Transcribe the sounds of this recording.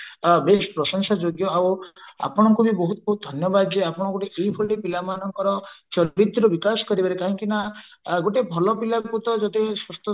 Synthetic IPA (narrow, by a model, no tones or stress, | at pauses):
bespɾɔsɔŋsad͡ʒoɡjɔawa̰pɔɽ̃ɔŋkubibɔɦut̪ɔbɔɦut̪̚d̪ʱɔnjɔbad̪d͡ʒeapɔɽ̃ɔ̃ɡoʈeʔeibʱɔlepilamanɔŋkɔɾɔt͡ʃɔɾit̪ɾubikasɔ̥kɔɾibaɾekaɦɔ̃ŋkinaɡoʈebʱɔlɔpilakut̪ɔd͡ʒɔt̪eswɔst̪ɔ